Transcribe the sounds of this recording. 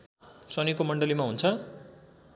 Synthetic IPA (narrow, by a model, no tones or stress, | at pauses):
sʌnikomʌɳɖʌlimaɦunt͡sʰʌ